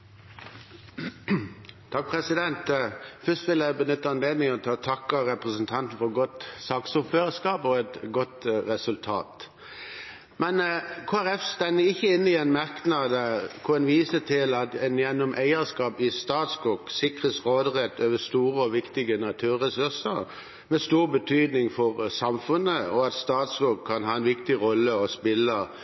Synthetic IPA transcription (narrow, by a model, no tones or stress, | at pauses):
t̪ʰɑk̚pʰʁɛsɪd̪ɛnt̪fœst̪ʋɪljæɪbənʏt̪ːəɑnd̪eːmɪɔt̪ʰɪlɔt̪ʰɑkːəɾɛpʁəsənt̪ʰɑnt̪n̩fɔɾɡɔt̪sɑːksɔføːʁəskɑːpɔɛt̪ɡɔt̪ʁɛsʉlt̪ʰɑ̰ːt̪ | mɛnkʰoːæɾɛfst̪ɛnəɪçːəɪnːɪɛnmɑʁknɑd̪əkʰʊɛnʋiːsət̪ʰɪlɑt̪ɛnjɛnːɔmʔæɪəɾskɑːpɪst̪ɑːt̪sɡuksɪkɾəsʁoːd̪ʁɛt̪ːøːʋəst̪uːɾəɔʋɪkt̪ɪɡənɑt̪ʰʉːʁɛsʉʁsəɾ | mɛst̪uːʁbət̪ʰyːd̪nɪŋfɔʁsɑmfʉnːəɔɑt̪st̪ɑːt̪sɡuːkʰːɑnɦɑːɛnʋɪkt̪ɪʁɔlːəɔspɪlːə